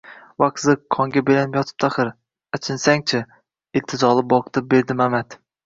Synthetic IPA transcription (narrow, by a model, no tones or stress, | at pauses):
wɑqzɨkʰːɒŋɡʲabelanɪpjɒt̪ʰɨ̥p̚t̪ʰaχɨɾ | æt͡ʃʰɪnsaŋt͡ʃʰɪ | ɪlt̪ʰɨzɒlˠɨp̚bɒqʰɨ̥t̪ʰɨp̚beɾd̪ɪmamat̪